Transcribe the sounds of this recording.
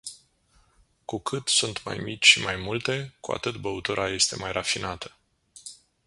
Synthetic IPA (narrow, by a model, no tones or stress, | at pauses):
kukʰɨt̪sunt̪ma̰jmit͡ʃʲʃimajmult̪e̞kua̰t̪ɨt̪bəut̪uɾʔaje̞st̪e̞majrafinat̪ə̥